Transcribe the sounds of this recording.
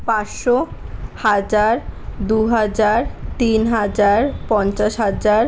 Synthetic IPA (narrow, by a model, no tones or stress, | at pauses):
paʃohad͡ʑaɾd̪uɦad͡ʑaɾt̪inɦad͡ʑaɾpɔnt͡ɕaʃɦad͡ʑaɾ